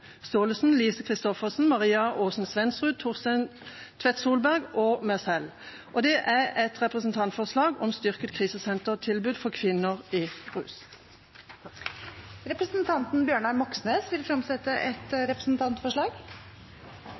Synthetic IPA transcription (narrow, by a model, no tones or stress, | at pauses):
st̪oːləsn̩liːsəkʰʁɪst̪ɔfəsn̩mɑʁiːɑʔoːsn̩sʋɛnsʁʉːd̪̚t̪ʰʊsɛt̪ʰʋɛt̪suːlbæʁɡoːmœsɛl | ʔɔd̪ɛʔæʁɛt̪ʁɛpʁəsn̩t̪ʰɑnt̪fɔʁslɑːɡɔmst̪ʏʁkət̪kʰʁiːsəsɛnt̪əʁt̪ʰɪlbʉːd̪fɔʁkʰʋɪnːəʁiːʁʉ̰ːs | ɾɛpɾəsnt̪ʰɑnt̪n̩bjøːɳɑmɔksneːsʋɪlfɾɑmsɛt̪ːəʔɛt̪ɾɛpɾəsn̩t̪ʰɑnt̪fɔʂɭɑːɡ